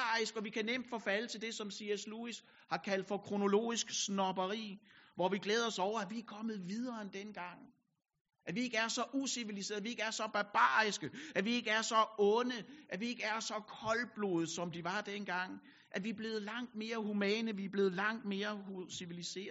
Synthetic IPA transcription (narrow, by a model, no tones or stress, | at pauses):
ɑisɡ̥ɒ̽ʋikʰænem̰d̥fɒ̽fælət͡sʰe̝ld̥e̝sɒ̽msiesluis | hɑ̈kʰæl̰d̥fɒ̽kʰʁo̝no̝lo̝̰ːisɡ̥snɒb̥ɐʁḭːʋɒʋiɡ̥leːð̞̩ˠɒ̽sɒʊ̰ɐæʋiækʰɒ̽mð̞̩ˠʋið̞ˠɐend̥enɡ̥ɑ̈ŋ̰ | ʔæʋie̝ɡ̥əæɐsɒ̽ʔusiʋilis̬e̝̰ːð̩ˠʋie̝ɡ̥əæɐsɒ̽b̥ɑ̈b̥ɑ̰̈ːisɡ̥əʔæʋie̝ɡ̥əæɐsɒ̽ɔ̽nəʔæʋie̝ɡ̥əæɐsɒ̽kʰɒ̽lb̥lo̰ð̩ˠsɒ̽md̥iʋɑ̈d̥enɡ̥ɑ̈ŋ̰ | ʔæɐʋiæb̥le̝ːð̩ˠlɑ̈ŋ̰d̥̚me̝ːɐɦumɛ̰ːnəʋiæb̥le̝ːð̩ˠlɑ̈ŋ̰d̥me̝ːɐhusiʋilise̝̰ːɐð̩ˠ